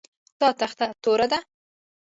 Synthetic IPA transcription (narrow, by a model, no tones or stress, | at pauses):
t̪ɑt̪axt̪at̪oɾad̪a